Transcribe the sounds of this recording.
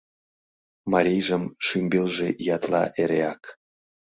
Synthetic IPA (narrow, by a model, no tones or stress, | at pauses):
mɑɾʲijʒəmʃymʲbelʒejɑt̪lɑ̰ʔeɾʲeɑk